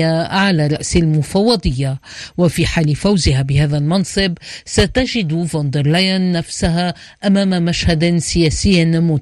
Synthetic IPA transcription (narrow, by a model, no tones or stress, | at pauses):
aʕalaːɾˤɑ̰ʔsalmʊfɑwːɑd̪ˤɨjːawafiːħaːlɪfawzɪɦabɪɦaːðalmɑnsˤɨbsat̪aʒɪd̪vond̪ɪɾlajanːafsaɦa | ʔamaːmamaʃhad̪sɪjaːsɪjːnmuːt̪